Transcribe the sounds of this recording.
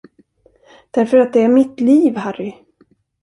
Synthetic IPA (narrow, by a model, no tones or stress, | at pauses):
d̪̥æɾfœɾat̪̚d̪ɛæɾmɪt̪liːvɦæɾɪ